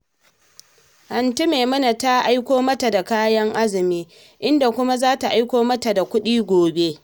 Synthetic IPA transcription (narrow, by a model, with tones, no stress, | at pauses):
hɐ˨nti˦meː˨mɐ˦na˨ta˦ʔa˦jkʷoː˦mɐ˦ta˨da˨kaː˦jɐ˦ŋʔa˦zɪ˨miː˦ | ʔɪ˦nda˨kʷʊ˦ma˦zaː˦ta˨ʔa˦jkʷoː˦mɐ˦ta˨da˨kʷʊ˦ɗiː˦ɡʷoː˨be˦